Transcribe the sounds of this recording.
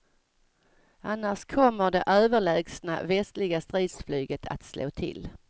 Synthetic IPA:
anːaʂkʰɔmːəɖ̪ɛʔøːvəɭɛːɡsna̰vɛst̪lɪɡast̪ɾiːd̪sflyːɡət̪ʰa̰t̪slʔo̰ːt̪ʰɪ̰l

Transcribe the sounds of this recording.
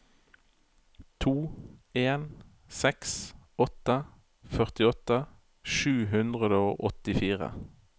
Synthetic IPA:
t̪ʰuːeːn | sɛksɔt̪ə | fœʁt̪ɪɔt̪ə | ʃʉːɦʉnd̪ʁəd̪əoːʔɔt̪ɪfiːʁə̰

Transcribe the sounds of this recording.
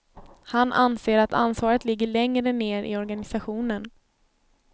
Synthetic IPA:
hanʔa̰nseːɾat̪ʰa̰nsvɑːɾət̪lɪɡːəɭɛŋɾəneːɾʔɪ̰ɔɾɡanɪsaɧuːnən

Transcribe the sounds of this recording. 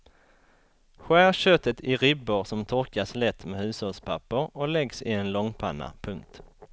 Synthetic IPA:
ɧæːɾɕœt̪ːət̪ʰɪɾɪbːʊɾsɔmt̪ʰɔɾkaslɛt̪ːmɛhʉ̟ːshɔlspʰapːəɾɔlɛɡsɪɛnlɔŋpʰa̰nːa̰pʰɵŋk̚t̪

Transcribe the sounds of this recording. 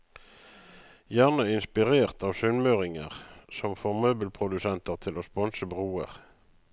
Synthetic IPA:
jæʁnəɪnspɪʁeːʁt̪ɑːʋsʉnmøːʁɪŋə̰ʁsɔmfoːʁmœːbəlpʰʁʊd̪ʉsɛnt̪əʁt̪ʰɪloːspɔnsəbʁuːə̰ʁ

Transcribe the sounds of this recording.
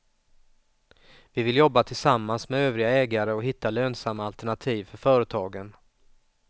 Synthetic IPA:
vɪvɪljɔbːat̪ʰɪlsamːansmɛøːvɾɪɡaɛːɡaɾəɔɦɪt̪ʰːaløːnsamːaːlt̪ɛɳat̪ʰiːvfœɾfœːɾət̪ʰɑːɡən

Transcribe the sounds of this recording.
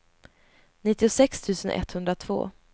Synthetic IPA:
nɪt̪ːɪʊsɛkst̪ʰʉ̟ːsənʔɛ̰t̪hɵnd̪ɾat̪ʰv̥o̰ː

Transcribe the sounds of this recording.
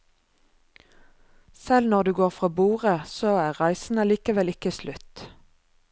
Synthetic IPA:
sɛlnɔʁd̪ʉːɡoːʁfʁoːbuːʁəsoːæːʁʁæɪsn̩əliːkəʋɛlɪkəslʉt̪

